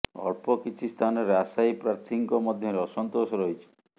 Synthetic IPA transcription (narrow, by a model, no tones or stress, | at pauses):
ɔ̰ɾpɔkit͡ʃʰist̪ʰanɔɾeasajpɾaɾt̪ʰiŋkɔmɔd̪ʱjɔɾeɔsɔnt̪osɔɾɔɦit͡ʃʰi̥